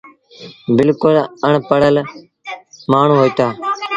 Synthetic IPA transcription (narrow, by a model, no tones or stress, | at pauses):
bɪlkʊləɳpəɽəl | maːɳ̤ũːɦoːiːt̪aː